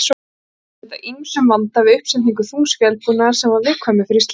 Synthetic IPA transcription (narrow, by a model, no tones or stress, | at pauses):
s | ɛt̪a̰ʔinsʏmvant̪avɪʏhpsɛnniŋkʏθuŋsvjɛlpunḁsɛmvaɾvɪðkʰvaːmɪfɪɾist̪